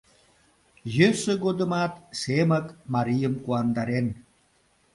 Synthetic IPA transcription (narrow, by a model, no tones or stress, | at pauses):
jəsə̆ɡod̪ə̆mɑt̪̚seməkmɑɾijəmkuɑnd̪ɑɾen